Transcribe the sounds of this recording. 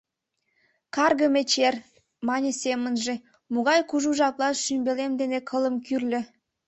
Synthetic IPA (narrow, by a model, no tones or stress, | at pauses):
kɑrɣəmet͡ɕer | mɑnʲesemənʒĕ | muɣɑjkuʒuʒɑplˠɑʃymbelemd̪enekʰələmkyrlʲø̆